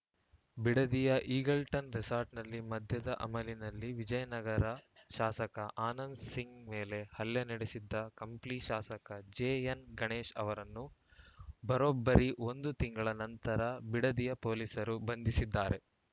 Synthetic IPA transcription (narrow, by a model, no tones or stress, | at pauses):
biɽɐd̪ijɐʔiːɡɐlʈɐnɾisaːɾʈnɐlːimɐd̪ʱjɐd̪ɐʔɐmɐlinɐlːiʋid͡ʒɐjɐnɐɡɐɾɐʃaːsɐkɐʔaːnɐnsiŋɡme̞ːle̞hɐljɐniɽesid̪ːɐkɐmpliʃaːsɐkɐd͡ʒeːɐnɡɐɳeːʃɐ̰ʋɐɾɐnːu | bɐɾobːɐɾiʔo̞nd̪ut̪iŋɡɐɭɐnɐnt̪ɐɾɐbiɽɐd̪ijɐpoːlisɐɾubɐnd̪isid̪ːaːɾe̞